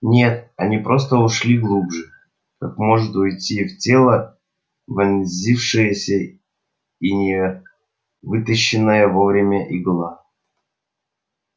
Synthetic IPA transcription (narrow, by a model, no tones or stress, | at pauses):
nʲe̞t̪̚ɐnʲipɾo̞s̬t̪əʊʂlʲiɡlˠubʐɨ | kakmo̞ʐɨt̪ʊjtʲiftʲe̞lˠə | vɐnʲzʲifʂɨjəsʲə | inʲɪ | vɨt̪əɕːɪnːəjəvo̞vɾʲɪmʲəʔiɡlˠa